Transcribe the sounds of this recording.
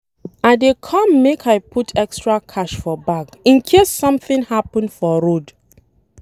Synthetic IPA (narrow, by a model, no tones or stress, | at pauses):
aɪdekʰɔ̃mːekʰaɪpʰutʰɛkstɹakʰaʃfɔbaɡĩnkʰesːʌ̃mθɪ̃nhapə̃nfɔɹod